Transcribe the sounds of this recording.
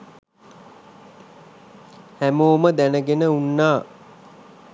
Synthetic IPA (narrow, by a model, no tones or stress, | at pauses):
hæmoːməd̪ænəɡenəunːaː